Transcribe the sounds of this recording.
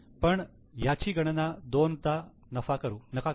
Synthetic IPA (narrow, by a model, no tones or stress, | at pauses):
pəɳ | jat͡ɕiːɡəɽ̃nad̪ont̪a | nəfakəɾuːnəka